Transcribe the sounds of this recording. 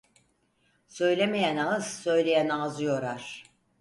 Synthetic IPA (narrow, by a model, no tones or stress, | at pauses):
sø̞jlʲemejænazsø̞jlʲejænazɯjo̞ɾaɾ̥